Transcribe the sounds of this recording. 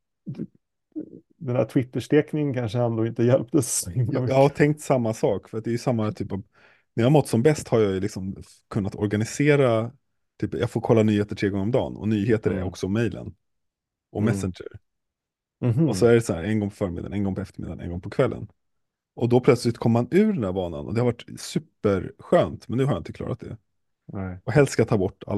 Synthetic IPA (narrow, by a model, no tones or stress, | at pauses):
d̪ɛnd̪æ̰ʈʰwɪt̪ːəʂʈeːknɪŋənkʰanʂəɛnd̪oːɪnt̪əjɛlpt̪əsjjɑːhat̪ʰɛŋk̚t̪samːasɑːkfœɾat̪̚d̪ɛjʏsamːat̪ʰyːpav | næɾjɑːamɔt̪ːsɔmbɛst̪haɾjɑjɵlɪksɔm | kʰɵnːat̪ɔɾɡanɪseːɾa | t̪ʰyːpjɑɡfoːɾkʰɔlːanyːheːt̪əʈʰɾeːɡɔŋəɾɔmd̪ɑ̰ːnɔ̰nyːɦeːt̪əɾæ̰ɾɔksɔmɛjlʔə̰n | ʔɔmɛsɪnd͡ʒə̰ɾ | ɔsɔæɖɛsaæ̰ːɾɛnɡɔŋpʰɔfœːɾmɪd̪a̰nɛnɡɔŋpʰɔɛft̪əɾmɪ̰d̪ːanɛ̰nɡɔŋpʰɔkʰvɛlːə̰n | ɔd̪ɔpʰlœt̪slɪt̪kʰɔmːəmanʉ̟ːɖɛnd̪æːɾbɑːna̰nʔɔ̰d̪ɛhaɾvaʈːsʉ̟ːpəɾɧøːnt̪mɛnd̪ʉːhaɾjɪnt̪əkʰlɑ̰ːɾʔat̪d̪ɛ̰ | ɔɦɛlskat̪ʰːɑːbɔʈːa̰lː